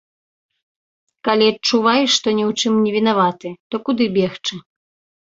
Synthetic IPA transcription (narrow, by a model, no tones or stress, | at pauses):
kalʲiɐt̚t͡ʂuvajɛʂt̪ɔnʲɛwt͡ʂɨmnʲɛvʲin̪avat̪ɨt̪ɔkud̪ɨbʲɛxt͡ʂɨ